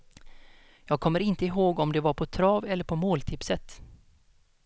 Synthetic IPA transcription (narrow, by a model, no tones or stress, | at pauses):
jɑːɡ̚kʰɔmːəɾɪnt̪əɪɦoːɡɔmd̪ɛvaɾpʰɔt̪ʰɾɑːvɛlːəɾpʰɔmoːlt̪ʰɪpsət̪